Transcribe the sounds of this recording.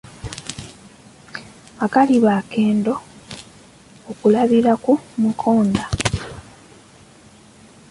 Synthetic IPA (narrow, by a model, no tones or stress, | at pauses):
akaliβaːke̞ːndo̞ | kulaβiɾakumukʰoːnda